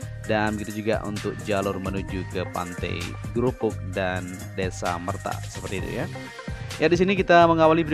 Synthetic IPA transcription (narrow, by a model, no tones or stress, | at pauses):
dankit̪ad͡ʒuɡa̰ʔṵnt̪ʊk̚d͡ʒalʊrmənud͡ʒukəpa̰nt̪ɛ̰jɡɾupʊk̚dan | desa̰mərt̪a̰səpərt̪iːt̪ṵja | jadis̬inikit̪aməŋawalibəɾ